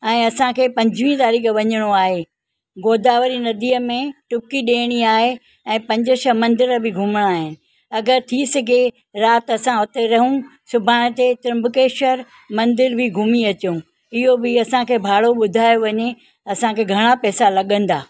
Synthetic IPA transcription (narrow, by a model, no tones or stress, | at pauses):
ɛ̃ːɐsãkʰeːpɐ̃ɲd͡ʑʱʋĩt̪aːɾiːkʋɐɲəɽ̃oaːɦe | ɡoːd̪ʱaːʋəɾinɐd̪iːəmẽʈʊp̚kiɗeːɽ̃iaːɦe | ɛ̃ːpɐ̃ɲd͡ʑəʃəmɐ̃nd̪ɪɾbɪɡʱʊmɽ̃aaːɦɪnɪ̆ | ɐɡəɾt̪ʰisɐɡʱe | ɾaːt̪ɐsãot̪eɾɐɦũsʊbʱaːɽ̃ət̪et̪ɾɐ̃mbʊkeːʃəɾ | mɐ̃nd̪ɪɾbʱɪɡʱʊmiɐt͡ɕũ | ɪɦobɪɐsãkʰeːbʱaːɽoɓʊd̪ʱaːjoʋɐɲe | ɐsãkʰeːɡʱɐɽ̃apɛːsalɐɠə̃n̆d̪aː